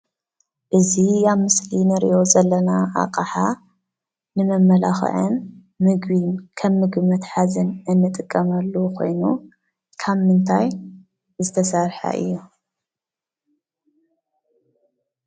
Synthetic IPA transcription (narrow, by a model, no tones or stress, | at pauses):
ʔɨzijaβmɨslinɨɾḭʔo̞zɐlːɐnaʔa̰qʼaħa | nɨmɐmːɐlaxʕɨ̰nː | ɨɡβinkʰɐβːɨɡmɐt̪ħazɨnʔɨnːɨt̪ʼɨkʼːɐmɐlːukʰo̞̰jnu | kʰaβmɨnt̪ʰaj | zɨt̪ʰɐsɐɾħa̰ʔɨ̰jːu